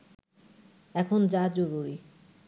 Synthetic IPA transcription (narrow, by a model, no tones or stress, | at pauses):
ɛkʰond͡ʑad͡ʑoɾuɾi